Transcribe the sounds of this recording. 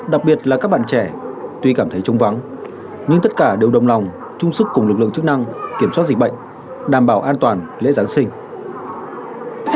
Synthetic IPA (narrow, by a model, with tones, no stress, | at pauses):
ɗa˨˩k̚ɓi˨˩ət̚laː˨˩kaː˦˥k̚ɓa̰ː˧˨nt͡ɕɛ˧˩t̪wi˧kaː˧˩mt̪ʰə˨˦jt͡ɕə˧wŋ͡mva˨˦ŋ | ɲɨ˧ŋt̪ə˦˥t̚kaː˧˩ɗe˨˩wɗə˨˩wŋ͡mla˨˩wŋ͡m | t͡ɕʊ˧ŋ͡msɨ˦˥kːʊ˨˩ŋ͡mlɨ˨˩k̚lɨ̰˧˨ə˨ŋt͡ɕɨ˦˥k̚na˧ŋki˧˩əmswaː˦˥t̚zi˨˩k̚ɓə̰˧˨ŋ̟ | ɗaː˨˩mɓaː˧˩wʔaː˧nt̪waː˨˩nlḛ˧˥zaː˨˦nsï˧ŋ̟